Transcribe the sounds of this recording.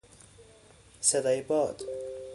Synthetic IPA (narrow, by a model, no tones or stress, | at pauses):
sed̪ɒːjebɒːd̪̥